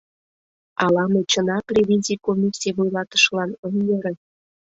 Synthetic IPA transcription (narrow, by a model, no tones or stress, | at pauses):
ɑlɑmet͡ɕənɑprʲevʲinʲzʲikomʲisʲievojlɑt̪ə̥ʃlɑnənjeɾə̆n